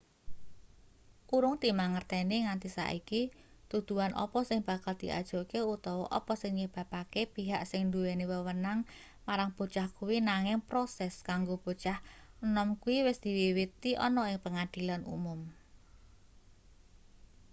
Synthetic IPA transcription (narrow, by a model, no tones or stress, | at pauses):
kuɾʊŋt̪imaŋərt̪ɛniŋant̪isa̰ʔiki | t̪ud̪̥ṳanʔɔ̰pɔsɪŋb̥a̤kald̪̥i̤ʔa̰d̥ʒ̥o̤keut̪ɔwɔʔɔpɔsɪŋɲeb̥a̤pakepiɦaʔsɪŋnd̪uweniwəwənaŋ | maɾaŋb̥o̤t͡ʃahkuwinaŋɪŋpɾosɛskaŋɡob̥o̤t͡ʃahənɔmkuwiwɪsd̪̥i̤wiwit̪iʔɔ̰nɔɪŋpəŋad̪̥i̤lanṵmʊm